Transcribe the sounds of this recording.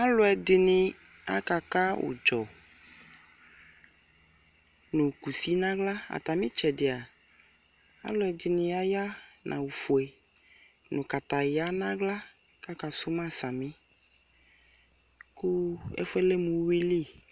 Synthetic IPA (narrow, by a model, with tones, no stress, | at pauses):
a˦lʊ˦ɛ˨d̪ɪ˨nɪ̃˨ | a̰˦ka˨ka˦wo̰˨d͡ʒɔ˨ | nũ˨ku˨si˦nã˦ɡla˦a̰˨t̪a˨mĩ˦t͡ʃɛ˨ɖɪ˨a˨ | a̰˦lʊ˨˦ɛ˨d̪ɪ˨nĩ˨a˦ja˦nʔã̰˨wu˨fu˨e˨ | nũ˨ka˨t̪a˨ja˦nã˦ɡla˦ | ka˦ka˨sʊ˦mã˦sa˨mĩ˦ | ku˦ɛ̰˦fɛ˦le˦mũ˨˦wi˦li˦˨